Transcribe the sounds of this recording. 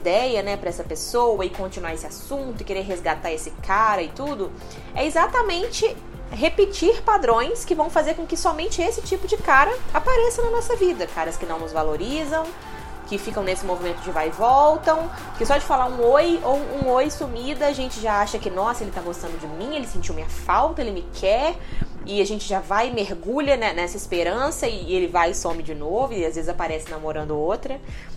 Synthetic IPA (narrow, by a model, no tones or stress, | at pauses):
d̪ɛjɐnɛpɾɐɛsɐpesowɐɪkõnt͡ʃinuaɾesɪasũnt̪ʊɪkeɾeɾɦezɡat̪aɾesɪkaɾɐɪt̪ud̪ʊ | ɛɪzat̪ɐmẽnt͡ʃɪ | ɦepɪt͡ʃiɾpad̪ɾõj̃skɪvɐ̃w̃fazeɾkõkɪsɔmẽnt͡ʃɪesɪt͡ʃipʊd͡ʒɪkaɾɐapaɾesɐnɐnɔsɐvid̪ɐkaɾɐskɪnɐ̃w̃nʊzvaloɾizɐ̃w̃ | kɪfikɐ̃w̃nesɪmovimẽnt̪ʊd͡ʒɪvajvɔwt̪ɐ̃w̃ | kɪsɔd͡ʒɪfalaɾũojowũojsumid̪ɐaʒẽnt͡ʃɪʒaaʃɐkɪnɔsɐelɪt̪aɡost̪ɐ̃nd̪ʊd͡ʒɪmĩelɪsẽnt͡ʃiwmĩɲ̃ɐfawt̪ɐelɪmɪkʰɛ | ɪaʒẽnt͡ʃɪʒavajɪmeɾɡuʎɐnɛnɛsɐɪspeɾɐ̃sɐɪelɪvajsõmɪd͡ʒɪnovʊɪazvezɪzapaɾɛsɪ̃namoɾɐ̃nd̪ʊowt̪ɾɐ